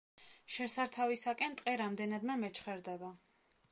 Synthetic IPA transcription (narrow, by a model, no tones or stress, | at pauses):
ʃɛsaɾt̪ʰavisakʼɛnt̪ʼqʼɛɾamd̪ɛnad̪mɛmɛt͡ʃχɛɾd̪ɛba